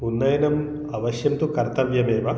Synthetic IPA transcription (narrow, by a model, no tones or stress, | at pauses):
unːɐjɐnɐm | ɐʋɐʃjɐmt̪ukɐɾt̪ɐʋjɐmeːʋɐ